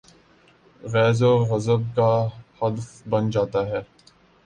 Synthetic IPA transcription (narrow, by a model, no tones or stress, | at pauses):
ɣɛːzoɣɐzəb̚kahɐd̪əfbɐnd͡ʒaːt̪aɦɛː